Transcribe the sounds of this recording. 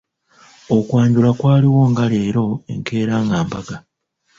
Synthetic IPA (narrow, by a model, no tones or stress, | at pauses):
o̞kwaːɲɟulakwaːliwo̞ːŋɡale̞ːɾo̞e̞̰ŋke̞ːɾaːŋɡaːmbaɡa